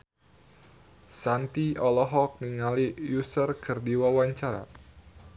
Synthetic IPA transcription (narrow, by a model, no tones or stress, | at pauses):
sant̪iɔlɔɦɔk̚niŋalijusərkʰərdiwawaɲt͡ʃaɾa̰